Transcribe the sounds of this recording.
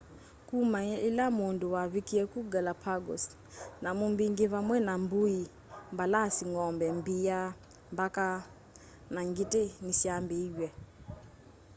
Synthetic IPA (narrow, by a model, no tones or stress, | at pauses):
kumailamonduwaβikiɛkuɡalapʰaɡɔ̰s | namumbiŋɡiβamwɛnambui | mbalasiŋɔmbɛmbia | mbaka | naŋɡitenisiambid͡ʒwɛ